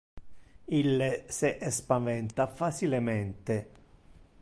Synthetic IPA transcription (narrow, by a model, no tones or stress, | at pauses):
ilːeseʔɛspavɛnt̪afat͡ʃilemɛnt̪e